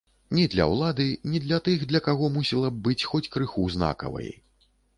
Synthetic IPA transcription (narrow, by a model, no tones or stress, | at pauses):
nʲid̪lʲɐ̰wlˠad̪ɨnʲid̪lʲɐt̪ɨɣd̪lʲɐkaɣɔmusʲilˠɐb̚bɨt͡sʲxɔt͡sʲkɾɨxuzna̰kɐ̰vɐ̰jḭ